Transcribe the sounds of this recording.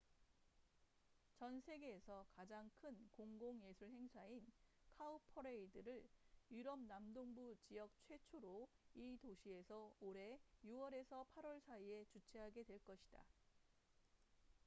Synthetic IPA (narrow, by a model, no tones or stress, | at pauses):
t͡ɕʌnsʰeɡe̞ːsʰʌkad͡ʑaŋkʰɯnkoŋɡoŋje̞sʰuɭhe̞ŋsʰainkʰaupʰʌɾeidɯɾɯɭjiɾʌm̚namdoŋbut͡ɕijʌk̚t͡ɕʰwe̞t͡ɕʰoɾoitoɕʰie̞sʰʌoɾe̞juwʌɾe̞sʰʌpʰaɾwʌɭsʰaie̞t͡ɕut͡ɕʰeɦaɡe̞dwe̞ɭk͈ʌɕʰid̥a̰